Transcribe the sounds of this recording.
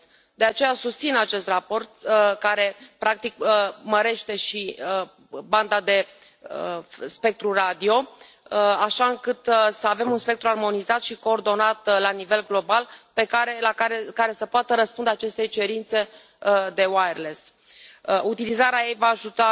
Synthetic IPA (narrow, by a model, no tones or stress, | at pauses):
d̪e̞at͡ʃe̞jasust̪sinat͡ʃe̞st̪rapo̞rt̪̚kaɾe̞pɾak̚t̪ikəməɾe̞ʃt̪e̞ʃiə | band̪ad̪e̞ | spe̞k̚t̪ɾurad̪io̞ | aʃaɨŋkɨt̪səave̞munspe̞k̚t̪ɾuarmo̞nizat̪ʃiko̞ːrd̪o̞nat̪lanive̞lɡlo̞balpe̞kaɾelakaɾekaɾe̞səpoat̪əɾəspund̪eat͡ʃe̞st̪ejt͡ʃe̞ɾint̪se̞ | d̪e̞wajerles | ut̪ilizaɾeaje̞jvaːʒut̪a